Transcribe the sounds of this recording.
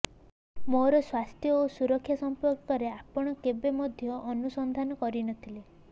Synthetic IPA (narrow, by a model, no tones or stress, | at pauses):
moɾɔswast̪ʰjɔosuɾɔkʰːjasɔmpɔɾkɔɾeapɔɽ̃ɔkebemɔd̪ʱjɔʔːnusɔnd̪ʱanɔkɔɾinɔt̪ʰile